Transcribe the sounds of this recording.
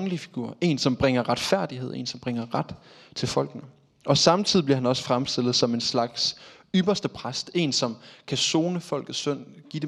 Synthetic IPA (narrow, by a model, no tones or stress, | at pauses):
ŋəlifiɡ̥uːɐ̰e̝̰ːnsɒ̽mb̥ʁeŋ̰ɐʁad̥fæɐ̰d̥iheð̞̰ˠe̝̰ːnsɒ̽mb̥ʁeŋ̰ɐʁad̥ | t͡sʰe̝lfɒ̽l̰ɡ̥nə | ʔɒ̽sɑ̈mt͡sʰið̞̰ˠibliɐhænɒ̽sə̥fʁamsd̥e̝lð̩ˠsɒ̽me̝nslɑ̈ɡ̥s | yb̥ɐsd̥əpʰʁasd̥e̝̰nsɒ̽mkʰæso̝ːnəfɒ̽l̰ɡ̥ð̩ˠsøn̰ɡ̥id̥e